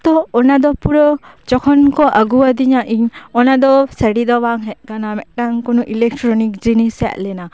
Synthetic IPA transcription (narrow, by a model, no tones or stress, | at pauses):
t̪ɔːnad̪ɔpuɾɔ | d͡ʒɔkʰɔnkɔʔaɡuad̪iɲaʔiɲɔnad̪ɔsəɽid̪ɔwaŋɦɛʔ̚kanamɛʔʈaŋkɔnuʔilɛk̚ʈɾɔnik̚d͡ʒinisa̰ʔlɛna